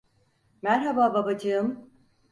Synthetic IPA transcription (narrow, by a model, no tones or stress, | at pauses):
mæɾɦabaːbabad͡ʒɯɯm